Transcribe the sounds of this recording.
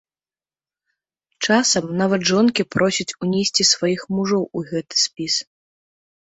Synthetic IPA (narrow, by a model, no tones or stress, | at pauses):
t͡ʂasɐmnavɐt̪ʐɔnkʲipɾɔsʲit͡sʲunʲesʲt͡sʲisvajixmuʐɔwuɣɛt̪ɨ̥sʲpʲis